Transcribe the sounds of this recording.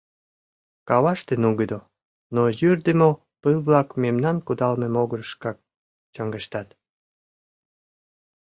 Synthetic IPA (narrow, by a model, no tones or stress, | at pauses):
kɑβɑʃt̪enuɣəd̪o | nojyrd̪əmo | pɨlβlɑkmemnɑnkud̪ɑlmemoɣəɾəʃkɑk̚ | t͡ɕəŋɡəʃt̪ɑt̪